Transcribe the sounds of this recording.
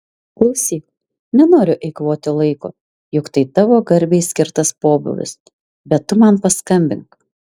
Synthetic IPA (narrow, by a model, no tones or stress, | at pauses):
klˠɐʊsʲiːk | nʲɛnoːɾʲʊʔɛɪkʋoːt̪ʲɪlˠɐɪko̰ː | jʊkt̪ɐɪt̪ɑʋoːɡɐɾʲbʲeɪsʲkʲɪɾt̪ɐspoːbʊ̰lʲɪ̰s | bʲɛt̪ːʊmɐnpɐskɐmʲbʲɪ̰ŋk